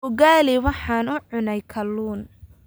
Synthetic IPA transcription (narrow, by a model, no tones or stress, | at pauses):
ʊɡaːliwɑħɑːnʊʕʊnɛjkʰɐlːuːn